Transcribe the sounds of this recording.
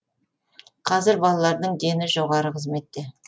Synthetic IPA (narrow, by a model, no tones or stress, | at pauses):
qʰɑzɪɾbɑlˠɑlˠɑɾd̪əɴd̪e̞nɪʒoʁɑɾəqʰəzme̞t̪ːe